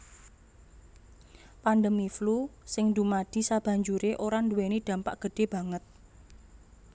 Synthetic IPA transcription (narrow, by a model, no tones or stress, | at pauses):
panɖəmiflusɪŋdumad̥i̤sab̥ä̤ɲd͡ʒuɾeʔoɾanduwenid̪̥ä̤mpaʔɡ̥ə̤ɖ̥e̤b̥ä̤ŋət̪̚